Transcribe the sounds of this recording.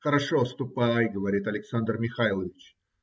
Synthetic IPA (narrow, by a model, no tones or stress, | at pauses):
xəɾɐʂost̪ʊpajɡəvɐɾʲit̪ɐlʲɪksand̪rmʲɪxajlˠəvʲɪt͡ɕ